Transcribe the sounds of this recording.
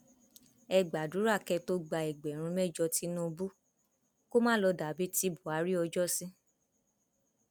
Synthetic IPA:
ɛ˧ɡ͡ba˨du˨˦ɾa˦˨kɛ˧to˧ɡ͡ba˧ɛ˨ɡ͡bɛ˨ɾ̃ũ˧mɛ˦˨d͡ʒɔ˧ti˧˦nũ˦˧bu˦ | ko˦mãː˦lɔ˧da˨˦bi˦ti˧˦bu˨a˨˦ɾi˦ɔ˧d͡ʒɔ˦˨sĩ˦

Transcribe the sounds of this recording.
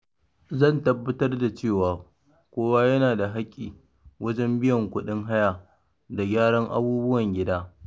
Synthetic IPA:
zɐ˦˨ntɐ˨bːɐ˦tɐ˦rda˨t͡ʃeː˦˨waː˨ | kʷoː˦waː˦jɐ˦naː˨da˨ɦa˦kʲʼːḭː˨ | wʔɐ˦d͡ʒɛ˦mbɪ˦jɐ˨ŋkʷʊ˦ɗɪ˦ŋɦa˦ja˨ | da˨ɡʲaː˦ɽɐ˦ŋʔa̰˦buː˦bʊ˦wɐ˨ŋɡʲɪ˦daː˦

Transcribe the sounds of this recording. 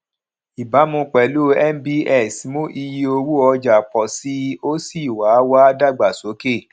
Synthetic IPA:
i˨ba˨˦mũ˧˦k͡pɛ˨˦lu˦ɛ˦m˦bi˦ɛ˦˨si˨˦mõ˦ʔi˧ji˧o˧wu˦ɔ˧d͡ʒa˨k͡pɔ˨si˦o˦si˦˨wa˨˦wa˦da˦˨ɡ͡ba˨so˨˦ke˦˨

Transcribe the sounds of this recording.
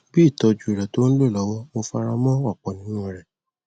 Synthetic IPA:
bi˦i˦˨tɔ˧d͡ʒu˨e˨ɾɛ˨tõ˦lo˦˨lɔ˨˦wɔ˦mo˧fa˧ɾa˧mɔ̃˦wa˦˨k͡pɔ˨nĩ˦nũ˦˨ɾɛ˨

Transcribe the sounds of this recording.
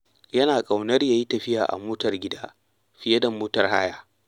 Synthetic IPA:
jɐ˦naː˨kʼa˨wnɐ˦rjaː˨ji˦tɐ˨ɸɪ˦jaː˨ʔa̰˨moː˦tɐ˨rɡʲɪ˦daː˦ | ɸɪ˨jɐ˦dɐ˨moː˦tɐ˨rhaː˦jaː˦

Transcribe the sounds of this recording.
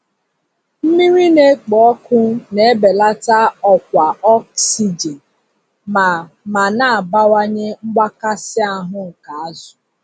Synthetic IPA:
m̩˦mi˦ɾi˦ne˦k͡pɔ˦kʊ˦ne˦˨e˦be˨la˦ta˦ɔ˨k̚ʷa˨ɔ˦ksi˨d͡ʒe˨n | ma˨ | ma˨na˦a˨ba˦wa˦ɲe˦ŋ͡m̩˦ɡ͡ba˦ka˦sɪ˦a˨ɦʊ˦ŋ̩˨ka˨a˦zʊ˨

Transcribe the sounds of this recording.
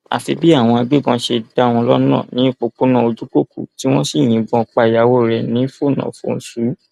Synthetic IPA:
a̰˨fi˧bi˦a˦˨w̃ɔ̃˧a˧ɡ͡be˦ɡɔ̃˧ʃe˧da˦˨w̃ɔ̃˧lɔ˦nã̰˦˨nĩ˨˦i˦˨k͡po˨k͡po˦nã˦˨o˧d͡ʒu˦ko˦˨kṵ˨ti˦w̃ɔ̃˦si˦˨j̃ĩ˨˦bɔ̃˧k͡pa˧˨ja˨wo˦˨ɾɛ˨nĩ˨˦fo˦˨nã̰˨fõ̰˦˧n̩˨su˨˦

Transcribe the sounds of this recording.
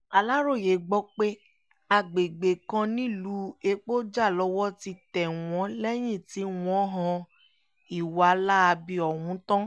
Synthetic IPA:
a˧la˦ɾo˦˨je˨ɡ͡bɔ˦k͡pe˦ | a˧ɡ͡be˨ɡ͡be˨kã˧nĩ˦˨lu˨˦e˧k͡po˦d͡ʒa˦˨lɔ˧˦wɔ˦ti˧tɛ˨w̃ɔ̃˨˦lɛ˦j̃ĩ˦˨ti˨˦w̃ɔ̃˨˦ɦã˧ | i˦˨wa˨˦la˦a˧bi˧ɔ˨wũ˨˦tã˦

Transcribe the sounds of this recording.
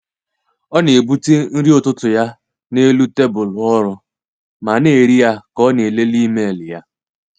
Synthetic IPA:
ɔ˦ne˨bu˦ti˦n̩˦ɾi˦o˨tʊ˦tʊ˨ja˦ | ne˦lu˦te˦bʊ˨lʊ˨ɔ˦ɾʊ˦ | ma˨ne˨ɾi˦ja˦kɔ˦ne˨le˦li˦me˦˨lɪ˨ja˦

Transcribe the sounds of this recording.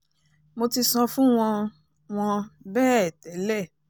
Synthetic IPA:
mo˧ti˧sɔ̃˧fũ˦w̃ɔ̃˧ | w̃ɔ̃˧bɛː˦˨ɛ˨tɛ˨˦lɛ˦˨

